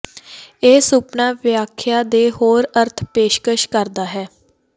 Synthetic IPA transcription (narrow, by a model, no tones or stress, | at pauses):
eːsʊpnaːʋjaːkʰːjaːd̪eːhoːɾəɾt̪ʰpeːʃkəʃkəɾd̪aːɦɛː